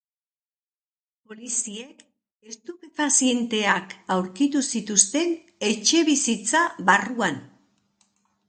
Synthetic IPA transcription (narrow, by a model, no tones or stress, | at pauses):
po̞lisie̞k | e̞st̪upepasie̞nt̪e̞akawɾkit̪usit̪ust̪e̞n | e̞t͡ʃe̞βisit͡saβaruan